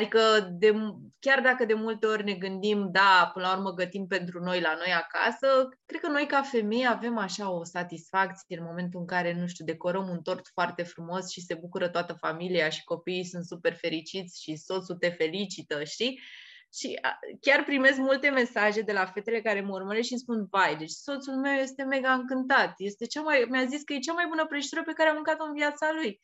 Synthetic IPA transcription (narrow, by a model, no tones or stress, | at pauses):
ad̪ikəd̪e̞ | kʲard̪akəd̪e̞mult̪e̞o̞rʲne̞ɡɨnd̪imd̪apɨnəlaurməɡət̪impe̞nt̪ɾuno̞jlano̞jaka̰səkɾe̞d̪̚kəno̞jkafe̞me̞jeave̞maʃao̞sat̪isfak̚t̪sijeenmo̞me̞nt̪uɨŋkaɾe̞nuʃ̬t̪ʲud̪e̞ko̞ɾəmunt̪o̞rt̪foart̪e̞fɾumo̞sʃise̞bukuɾət̪oat̪əfamilijaʃi̥ko̞piːjsunt̪supe̞rfe̞ɾit͡ʃit̪sʲʃiso̞t̪sut̪e̞fe̞lit͡ʃit̪əʃt̪i | ʃḭkʲarpɾime̞s̬kmult̪e̞me̞saʒe̞d̪e̞lafe̞t̪e̞le̞kaɾe̞məurməɾeʃispunvajd̪e̞t͡ʃʲso̞t̪sulme̞wje̞st̪e̞me̞ɡaɨŋkɨnt̪at̪je̞st̪e̞t͡ʃamajmʲaziskəje̞t͡ʃamajbunəpɾeʃt̪uɾəpe̞kaɾeamuŋkat̪oɨnvijat̪saluj